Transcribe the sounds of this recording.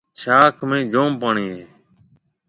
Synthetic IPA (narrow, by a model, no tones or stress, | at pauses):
t͡ʃʰaːkʰmẽːd͡ʒoːmpaːɳiːɦeː